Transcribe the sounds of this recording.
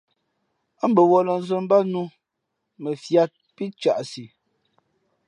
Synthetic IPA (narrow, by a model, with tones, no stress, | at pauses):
a˦m̩˦bə˨wɔ˨lə˨n̩˨zə˨m˦ba˦nu˦ | mə˨fja˦t̚pi˦t͡ʃa˨ʔsi˨